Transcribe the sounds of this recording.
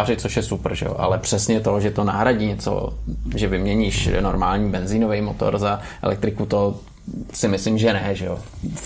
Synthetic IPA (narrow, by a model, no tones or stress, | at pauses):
arɪt͡soʃjɛsupr̩ʒɛ̰jo̰ʔa̰lɛpr̝̥ɛsɲɛt̪o̞ʒɛt̪ona̰ːɦɾaɟiːɲɛt͡so̰ʒɛvɪmɲɛɲiːʃnoɾmaːlɲiːbɛnzinovɛjmot̪o̞̰ɾza | ɛ̰lʔɛ̰k̚t̪ɾɪkut̪o | sɪmɪslɪmʒɛnɛʒɛjo